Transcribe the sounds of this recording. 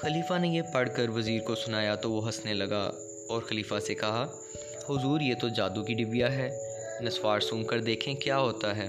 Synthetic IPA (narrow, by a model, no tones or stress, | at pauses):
xɐliːfanejepɐɽ̤kəɾʋɐziːɾkosʊnaːjat̪oʋoɦɐsnelɐɡa̰ | ɔːɾxɐliːfasekɐɦa | hʊzuːɾjet̪od͡ʒaːd̪ukiɖɪbijaɦɛː | nɐswaːɾsũːmkɐɾd̪eːkʰẽkjaːɦoːt̪aɦɛː